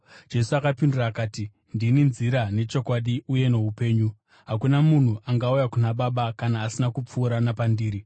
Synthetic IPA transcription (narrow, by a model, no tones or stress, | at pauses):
d͡ʒe̞suakapinduraːkaːti | ndininziɾane̞t͡ʃo̞kwaɗiuje̞ne̞ɦupe̞ːɲu | ɦakunamun̤uʔaŋɡaujakunaɓaɓakanaːsinakup͡fuːɾanapandiːɾi